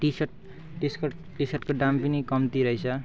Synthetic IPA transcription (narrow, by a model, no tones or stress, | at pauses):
ʈisʌʈ̚ | ʈisk | ʈisʌʈkoɖampinikʌmt̪iɾʌɦit͡sʰʌ